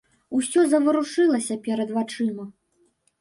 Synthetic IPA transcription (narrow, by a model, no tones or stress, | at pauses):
usʲɔzɐvɨɾuʂɨlˠɐsʲɐpʲɛɾɐd̪vat͡ʂɨmɐ